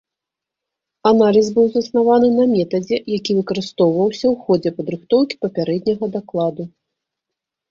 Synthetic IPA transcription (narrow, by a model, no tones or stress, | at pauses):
analʲiz̬bɨwzɐsnavanɨnɐmʲɛt̪ɐd͡zʲɛjakʲivɨkɐɾɨst̪ɔwvɐwsʲɐwxɔd͡zʲɛpɐd̪ɾɨxt̪ɔwkʲi̥pɐpʲaɾɛd̪̚ʲnʲɐɣɐd̪aklˠad̪u